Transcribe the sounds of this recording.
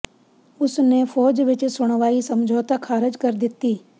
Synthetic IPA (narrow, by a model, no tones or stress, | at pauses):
ʊsnefʰɔːd͡ʒʋɪt͡ʃsʊɽ̃ʋaːisəmd͡ʒʱoːt̪akʰːaːɾɪd͡ʒkɐɾd̪ɪt̪iː